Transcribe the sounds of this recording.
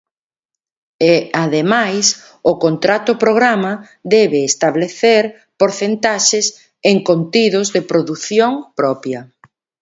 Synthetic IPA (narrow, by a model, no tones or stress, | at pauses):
eaðemajs | ʊkont̪ɾat̪ʊpɾoɣɾamɐ | ðɛβɪːst̪aβleθeɾ | poɾθent̪aʃɪs | eŋkont̪iðʊzðepɾoðuθjoŋpɾɔpjɐ